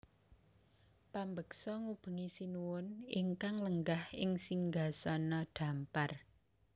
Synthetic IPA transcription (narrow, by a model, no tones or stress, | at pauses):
pambəksɔŋub̥ə̤ŋisinuwʊnɪ̰ŋkaŋləŋɡahɪŋsiŋɡasɔnɔɖ̥ä̤mpar